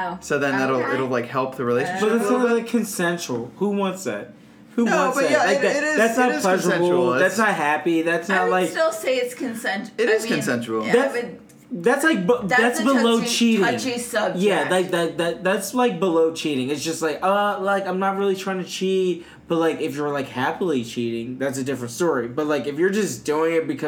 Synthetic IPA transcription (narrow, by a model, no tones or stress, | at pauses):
soʊðɨ̃nðæɾl̩ˠɪɾl̩ˠlaɪkhɛlˠp̚ðɨɹileɪʃnboðɨtsʌ̃əlaɪkʰɨ̃nsɛ̃nt͡ʃɹl̩ˠhuwɑ̃ntsɪ̰t̚ | huwɑ̃nsɨlaɪk̚ɪɾɪzðætsnət̚pl̥ɛʒə̃bll̩ˠðætsnət̚ɦæpiðætsnətlaɪkɪlˠseɪɨtskʰɨ̃nsɛ̃nt͡ʃɪɾɪz̥kɨ̃nsɛ̃nt͡ʃl̩ˠðæt | ðætslaɪk̚bðætsb̥əlloʊʊt͡ʃʰiɾɪ̃ŋisʌb̚jælaɪk̚ðæt̚ðæt̚ðætslaɪk̚b̥əloʊt͡ʃʰiɾɪ̃ŋɨtsd̥ʒ̥ʌst̚ˡlaɪkʌlaɪkãɪ̃mnət̚ɹɪlˠitʰɹ̥aɪɪ̃ŋtʰɨt͡ʃʰit | b̥ʌt̚laɪkɨfjə˞laɪkhæpl̩ˠit͡ʃʰiɾɪ̃ŋðætsɨdɪfɹɨ̃ntstɔɹibʌt̚laɪkɨfjə˞d͡ʒʌsd̥uɪ̃ŋɨt̚b̥ɨkʰʌ